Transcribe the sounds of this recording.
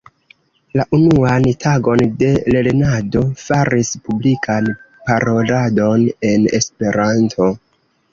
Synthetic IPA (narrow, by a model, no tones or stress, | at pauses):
laʔunuantʰaɡo̞nde̞le̞ɾnado̞faɾispublikʰan | paɾo̞lado̞ne̞ne̞̰spe̞ɾantʰo̞